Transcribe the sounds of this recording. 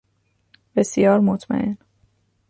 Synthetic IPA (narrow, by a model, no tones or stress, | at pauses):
b̥esijɒːɾmot̪ʰmæ̰ʔen